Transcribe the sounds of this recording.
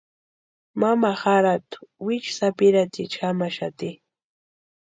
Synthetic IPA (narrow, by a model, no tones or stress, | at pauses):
mamaxaɾat̪ʊ̥wɪt͡ʃsapɪɾat̪ɪt͡ʃxamaʃat̪ɪ